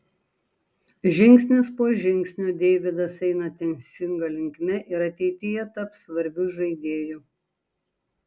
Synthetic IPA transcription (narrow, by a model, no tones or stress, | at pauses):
ʒʲɪŋʲksʲnʲɪspoːʒʲɪŋʲksʲnʲuːd̪ʲeːʋʲɪd̪ɐsɛɪnɐt̪ʲɛnʲsʲɪŋɡɐlʲɪŋʲkʲmʲɛʔɪɾɐt̪ʲɛɪt̪ʲɪjɛt̪ɐpsʋɐɾʲbʲʊʒɐɪd̪ʲeːju